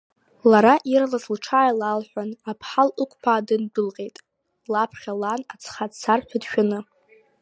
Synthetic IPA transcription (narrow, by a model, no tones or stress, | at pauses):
laɾaʔiralaslʈ͡ʂʰaːjlalħʷᶣanapʰħalʔɨkʷʼpʰaːdɨndɨlqʼe̞jtʼ | lapʰχʲalanat͡sʰχadt͡sʰarħʲʷᶣadʃᶣanɨ